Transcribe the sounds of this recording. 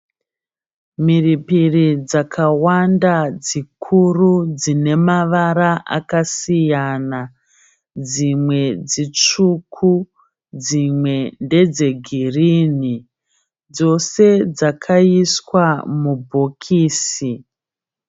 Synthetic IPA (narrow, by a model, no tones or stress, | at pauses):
miripirid͡zakʰawandad͡zikʰurud͡zine̞maʋaɾaʔa̰kasijana | d͡zimwe̞d͡zit͡ʂukʰu | d͡zimwe̞nde̞d͡ze̞ɡʱiriːni | d͡zo̞se̞d͡zakʰaiswamubʱokʰiːsi